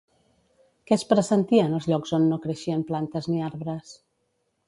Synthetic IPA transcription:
kɛspɾəsənt̪iənəlˠzʎɔkzonːokɾəʃiəmplant̪əzniaɾβɾəs

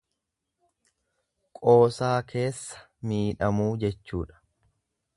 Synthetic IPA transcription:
kʼo̞ːsaːkʰe̞ːsːɐ̥ | miːᶑɐmuːd͡ʒɛt͡ʃːuːᶑɐ̥

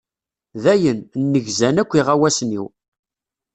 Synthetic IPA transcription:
ðæjənnːəʝzænækʷːiʁæwæsnḭw

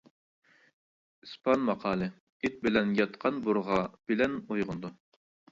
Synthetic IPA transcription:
ɨspʰɑnmɑqʰɑːlˠɨ | et̪̚bɪlɛnjɑt̪qʰɑnbuɾʁɑb̥ɪlɛnojʁʊnd̪u

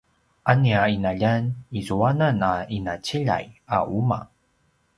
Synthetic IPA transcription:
ʔaniainaʎanizuananainat͡ɕiʎa̰ja̰ʔuma̰

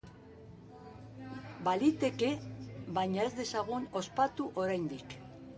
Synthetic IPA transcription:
balit̪e̞ke̞βajɲae̞zd̪e̞saɣ̞uno̞spat̪uʔo̞ɾajnd̪ik

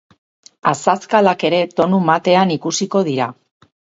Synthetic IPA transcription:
asaskalake̞ɾe̞t̪o̞numat̪e̞anikusiko̞ð̞iɾa

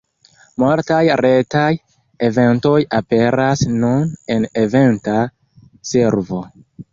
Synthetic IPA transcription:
moltajɾetaj | eve̞nto̞jape̞ɾasnune̞ne̞ve̞nta | se̞ɾvo̞

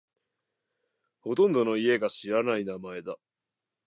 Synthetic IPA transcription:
ho̞t̪õ̞nd̪o̞no̞ie̞ɡaɕiɾanainamae̞d̪a

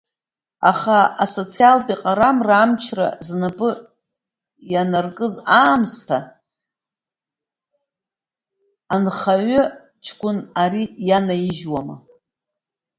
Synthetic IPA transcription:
aχaaso̞t͡sʰialpʼiqʼaɾamraːmt͡ʃʰra̰znapʼɨ | janarkʼɨzaːmstʰa | anχaɥʊ | t͡ʃʰkʷʼʊnarijanajiʒwama

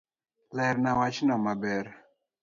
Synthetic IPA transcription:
lɛɾnawat͡ʃnɔmabɛɾ

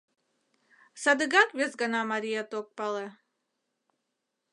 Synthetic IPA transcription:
sɑd̪ɨɡɑkvʲesɡɑnɑmɑɾʲijat̪ok̚pɑlˠe

